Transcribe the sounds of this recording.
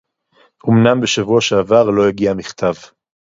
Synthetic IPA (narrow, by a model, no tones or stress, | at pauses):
ʔomnambe̞ʃavuaʃeːvaʁlo̞jaɡiamiχt̪ʰav